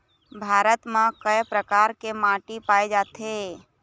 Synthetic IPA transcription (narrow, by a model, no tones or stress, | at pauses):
bʱaːɾət̪mẽkəjpɾəkaːɾkemãːʈipaːed͡ʒaːt̪ɦeː